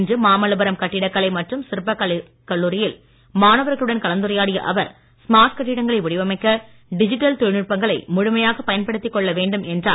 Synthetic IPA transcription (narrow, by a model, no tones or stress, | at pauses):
ndrɯmaːmɐlɐbɐɾɐmkɐʈːɪɽɐkːɐɭɐɪmɐʈrɯmsɪɾɯpːɐkːɐ | kːɐɭːuːɾɪjɪl | maːnɐʋɐɾɣɐɭɯɽɐnkɐɭɐnd̪ɯɾɐjaːɽɪjɐ̰ʔɐʋɐɾ | smaːɾʈkɐʈːɪɽɐŋɡɐɭɐɪʋʊɽɪʋɐmɐɪkːɐ | ɖɪd͡ʒɪʈːɐlt̪ʊɻnɯʈ̚pɐŋɡɐɭɐɪmʊɻʊmɐjaːɣɐpɐjɐnpɐɽɯt̪ːɪkːɔɭːɐʋeːɳɖɯmɛndra̰ːl